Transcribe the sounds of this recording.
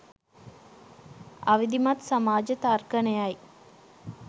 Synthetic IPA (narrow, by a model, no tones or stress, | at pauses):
ɐ̰ʋid̪imɐt̪samaːd͡ʒət̪arkənejaj